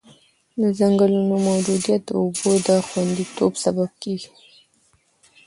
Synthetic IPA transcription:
d̪əzaŋɡəlunomawd͡ʒud̪ijat̪̚d̪əʊbod̪əxwand̪it̪obsabab̚keɡi̥

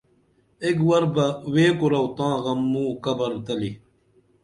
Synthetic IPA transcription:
ekwɐɾbɐweːkuɾɐwt̪ãːɣɐmːũːkɐbɐɾt̪ɐli

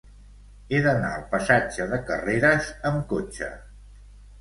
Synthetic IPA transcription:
eðəna̰əlˠpəsad͡ʒəðəkə̰reɾəzəmkot͡ʃə̰

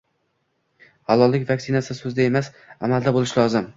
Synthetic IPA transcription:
havɒlːɪkʲvaksɪnasɪsɵzd̪ae̞mas | a̰mald̪abolɪʃlɒzɪm

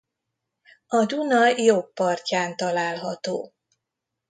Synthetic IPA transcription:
ɒd̪unɒjjopːɒrcaːnt̪ɒlaːlɦɒt̪oː

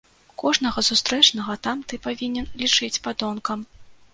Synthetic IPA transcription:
kɔʐn̪ɐɣɐsust̪ɾɛt͡ʂnɐɣɐt̪amt̪ɨpavʲinʲɛnlʲit͡ʂɨt͡sʲpad̪ɔnkɐm

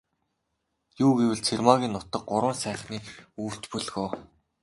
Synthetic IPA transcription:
juːɡewɘ̆ɮt͡sʰermaɣʲiːnːʊt̪ə̆q̚ɢʊɾwə̆ːnsæːχniːuːr̥t͡ɕpɵɮɣoː

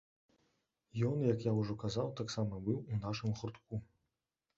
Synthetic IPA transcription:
jɔnjɐkjauʐɔkazawt̪aksamɐbɨwunaʂɨmɣurt̪ku

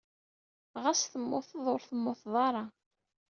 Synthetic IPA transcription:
ʁæsθəmːʊθðˤoɾθəmːoθðˤɑɾˤɑ

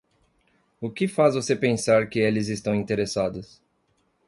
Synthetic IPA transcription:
ʊkɪfazvosepẽsaɾkɪelɪzɪst̪ɐ̃w̃ĩnt̪eɾesad̪ʊs

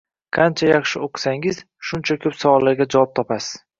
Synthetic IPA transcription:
qʰɑnt͡ʃʰajɑχʃɪoqʰɨ̥saŋɪz | ʃʊnt͡ʃʰakʲʰɵpsɒwɒlːaɾɡʲad͡ʒawɒp̚t̪ʰɒpʰasɪz̥

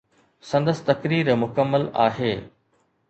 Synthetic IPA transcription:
sɐ̃nd̪əsɪ̥t̪ɐkɾiːɾmʊkəmːəla̰ːɦeː

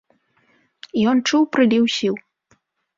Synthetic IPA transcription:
ijɔnt͡ʂuwpɾɨlʲiwsʲiw

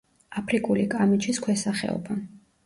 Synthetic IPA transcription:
apʰɾikʼulikʼamit͡ʃʰiskʰwɛsaχɛ̰ɔ̰ba

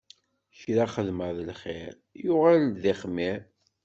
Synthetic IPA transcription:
ʃɾaχəðməðəlχɪ̰ɾ | jʊʁalðiχmiɾ

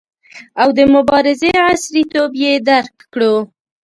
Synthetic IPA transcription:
awd̪əmʊbɑɾɪzeasɾit̪objed̪aɾkː | ɽo

